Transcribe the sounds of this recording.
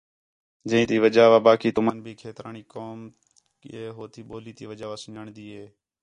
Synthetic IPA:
d͡ʒə̃ĩːt̪iːʋəd͡ʒaːʋaːbaːkiːt̪ʊmaːnbʱiːkʰeːt̪ɾaːɳiːkoːm | keːɦoːt̪ʰiːɓoːliːt̪iːʋəd͡ʒaːʋaːsəɲəɳd̪iːɦeː

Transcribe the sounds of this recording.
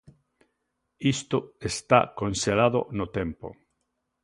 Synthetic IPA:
ist̪oest̪a̰konselaðo̰not̪empo̰

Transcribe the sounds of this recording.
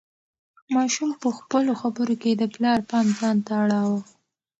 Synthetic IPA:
mɑʃumpəxpəloxabəɾoked̪əplɑɾpɑnzɑnt̪aːɽɑwə

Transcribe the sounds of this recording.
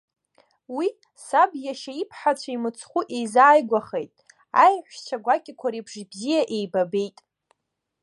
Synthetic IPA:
wi | sabjaʃaipʰħat͡ɕʷʰaimɨt͡sʰχʷuʔejzaːjɡʷaχejtʼ | a̰jħʷᶣt͡ʃʰaɡʷakʲʼɪkʷʰaɾibʐibzijaʔejbabe̞jtʼ

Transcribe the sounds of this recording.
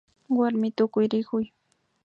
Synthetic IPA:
waɾmɪt̪ʊkʊjɾɪkʊj

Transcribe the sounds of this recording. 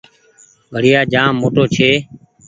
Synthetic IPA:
bʱəɽɪjaːd͡ʒãːmoːʈoːt͡ʃʰeː

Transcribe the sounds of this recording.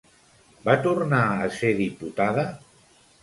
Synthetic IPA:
bat̪urnaəseðiput̪aðə

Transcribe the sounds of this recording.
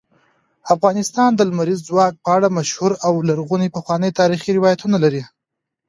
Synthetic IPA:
afɣɑnɪst̪ɑnd̪əlmaɾizːwɑk̚pəaɽamaʃhuɾawlaɾɣunipəxwɑnəjt̪ɑɾixiɾɪwɑjat̪unalaɾi

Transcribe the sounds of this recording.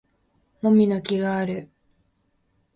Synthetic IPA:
mo̞mʲino̞kʲiɡaːɾɯ̟

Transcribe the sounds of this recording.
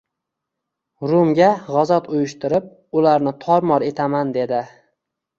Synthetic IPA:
ɾʊmɡʲaʁɒzɒt̪ʊjɪʃt̪ɪɾɪp̚ | ʊlaɾnɪt̪ʰɒɾmɒɾe̞t̪ʰamand̪e̞d̪ɪ

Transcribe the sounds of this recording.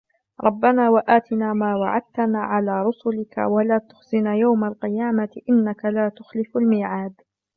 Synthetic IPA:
ɾˤɑbːanaːwaʔaːt̪ɪnaːmaːwa̰ʕa̰d̪̚t̪anaːʕalaːɾˤʊsʊlɪka̰walaːt̪ʊ̥xzɪnajawmalqɪjaːmaʔɪnːakalaːt̪ʊxlɪfalmiːʕaːd̪

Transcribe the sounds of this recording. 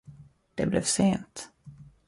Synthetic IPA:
d̪̥ɛblʔɛvseːnt̪

